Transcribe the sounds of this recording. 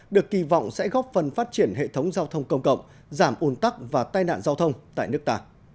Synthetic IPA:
ɗɨ˨˩əkːi˧˩vɔ̰˧˨wŋ͡msɛ̰˧˥ɣɔ˦˥p̚fə˨˩nfaː˦˥t̚t͡ɕi˧˩ənɦḛ˧˨t̪ʰə˨˦wŋ͡mzaː˧wt̪ʰə˧wŋ͡mkə˧wŋ͡mkə̰˧˨wŋ͡m | zaː˧˩mʔu˨˩˦nt̪a˦˥k̚vaː˨˩t̪aː˧jna̰ː˧˨nzaː˧wt̪ʰə˧wŋ͡mt̪a̰ː˧˨jnɨ˦˥ək̚t̪aː˧

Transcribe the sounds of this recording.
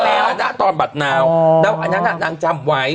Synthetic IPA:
aː˧˦ɗa̰ː˧˥t̪ɔ˧nɓa˨˩t̚naː˨˩wɗa˨˦wʔa˧jɗa̰ː˧˥ɗa̰ː˧˥ɗaː˧ŋt͡ɕaː˧mwaː˨˩˦j

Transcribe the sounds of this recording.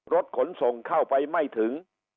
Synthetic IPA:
ɾo˦˥t̪̚kʰo˩˦nso˨˩˦ŋkʰa˥˩wpa˧jma˥˩jt̪ʰɯ˩˦ŋ

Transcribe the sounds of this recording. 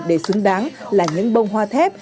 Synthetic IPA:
ɗe˧˩swɨ˨˦əŋɗaː˨˦ŋlaː˨˩ɲɨ̰˧˥ŋɓə˧wŋ͡mɦwaː˧t̪ʰɛ˦˥p̚

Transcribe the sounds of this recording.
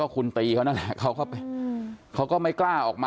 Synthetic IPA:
ɔː˥˩kʰu˧nt̪iː˧kʰa˦˥na˥˩lɛ˨˩kʰa˦˥wkɔː˥˩pa˧jkʰa˦˥wkɔː˥˩ma˥˩jklaː˥˩ʔɔː˨˩k̚maː

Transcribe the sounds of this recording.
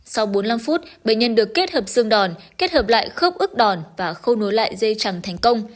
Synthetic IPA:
sa˧wɓo˨˦nla˧mfu˦˥t̚ɓḛ˧˨jɲə˧nɗɨ˨˩əkːe˦˥t̚həː˨˩p̚sɨ˧əŋɗɔ˨˩nke˦˥t̚həː˨˩p̚la̰ː˧˨jxə˦˥p̚ʔɨ˦˥k̚ɗɔ˨˩nvaː˨˩xə˧wno˨˦jla̰ː˧˨jzə˧jt͡ɕa˨˩ŋt̪ʰɛ˨˩jŋ̟kə˧wŋ͡m

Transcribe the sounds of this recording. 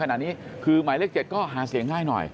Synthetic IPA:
a˧na̰ː˨˩niː˦˥kʰɯː˧maː˨˩˦jleː˥˩k̚t͡ɕe˨˩t̪̚kɔː˥˩ɦaː˩˦si˨˩˦əŋːaː˧˩jnɔ̰˨˩j

